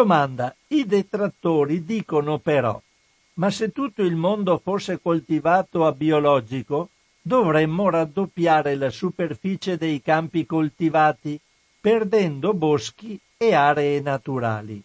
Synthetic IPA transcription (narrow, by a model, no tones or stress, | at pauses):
d̪omand̪aid̪et̪ɾat̪ːoːɾid̪iːkonopeɾɔ̰ | maset̪ːut̪ːoilmond̪ofosːekolt̪ivaːt̪oabiolɔd͡ʒiko | d̪ovɾemːoɾad̪ːopːjaːɾelasuperfiːt͡ʃed̪ejkampikolt̪ivaːt̪i | perd̪ɛnd̪obosk̟i | eaːɾeːnat̪uɾa̰ːlḭ